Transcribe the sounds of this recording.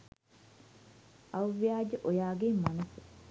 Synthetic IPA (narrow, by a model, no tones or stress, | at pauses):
ʔɐwʋijaːd͡ʒɐʔojaːɡemɐnɐs